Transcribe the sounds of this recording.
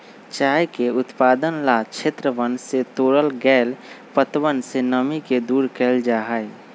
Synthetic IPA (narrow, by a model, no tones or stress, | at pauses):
t͡ʃaːjkeʊt̪paːd̪ənlat͡ʃʰeːt̪ɾəʋənset̪oːɾəlɡɛːlpət̪ʋənsenəmiked̪uːɾkeld͡ʒaːɦəe